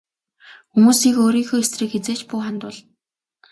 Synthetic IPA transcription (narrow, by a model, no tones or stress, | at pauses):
xumuːsiːkoːɾiːŋxoːesriːkxet͡seːt͡ɕpʊːχant̪ʊːɮ